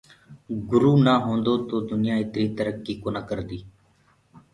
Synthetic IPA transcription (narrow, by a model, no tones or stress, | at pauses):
ɡʊɾuːnaːɦõːnd̪oːt̪oːd̪ʊnɪjãːɪt̪ɾiːt̪əɾəkːiːkoːnaːkəɾd̪iː